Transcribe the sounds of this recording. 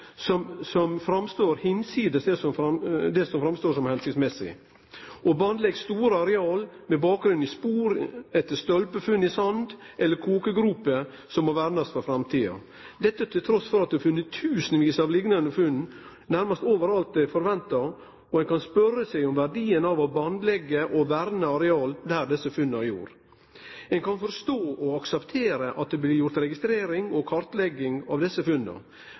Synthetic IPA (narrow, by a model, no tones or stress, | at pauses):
sɔmsɔmfɾɑmst̪oːɾhɪnsiːd̪əsd̪ɛsɔmfɑd̪ɛsɔmfɾɑmst̪oːʂɔmhɛnsɪkt̪smɛsɪ̰ | ʔɔbɑnd̪lɛɡst̪uːɾəɑɾɛɑːlmɛbɑːk̚ɡɾʉnɪspuːɾɛt̪ːəst̪ɔlpəfʉnːɪsɑnd̪ʔɛlːəɾkʰoːkəɡɾʉːpːə | sɔmːɔɾʋæɾnɑst̪fɔɾfɾɑmt̪ʰiːɑ̰ | d̪ɛt̪ːət̪ʰɪlt̪ʰɾɔsfɔɾɑt̪̚ʉhɑfʉnːət̪ʰːʉːsənʋiːsɑʋlɪɡnɑnəfʉnː | næɾmɑst̪oːʋəɾɑlt̪̚d̪ɛfɔɾʋɛnt̪ɑ | ɔɛnkʰɑnspœɾːəsæɪɔmʋæɾɖiːənɑʋɑbɑnd̪lɛɡːəʔɔʋæɾnəɑɾɛɑːld̪æd̪ɛsəfʉnːəæɾjṵːɾ | ɛnkʰɑnfɔɾst̪oːʔɔɑksɛpt̪ʰeːɾəʔɑt̪̚d̪ɛblɪɾjʊɾt̪ɾɛɡɪst̪ɾeːɾɪŋɔkʰɑɾt̪lɛɡːɪŋɑ̰ʋd̪ɛsːəfʉnːə̰